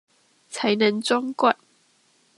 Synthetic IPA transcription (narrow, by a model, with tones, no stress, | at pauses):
t͡sʰa˨˦ɪjnə˨˦ŋt͡sɔ˥ŋkwa˥˨n